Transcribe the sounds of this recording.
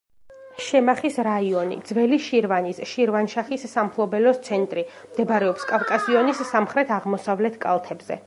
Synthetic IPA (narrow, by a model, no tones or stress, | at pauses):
ʃɛmaχisɾaiɔnḭd̪zvɛliʃiɾvanisʃiɾvanʃaχisːampʰlˠɔbɛlɔst̪sʰɛnt̪ʼɾi | md̪̥ɛbɾɛɔpskʼavkʼasiɔnisːamχɾɛt̪ʰaʁmɔsavlɛt̪ʰkʼa̰lˠt̪ʰɛbz̥ɛ̰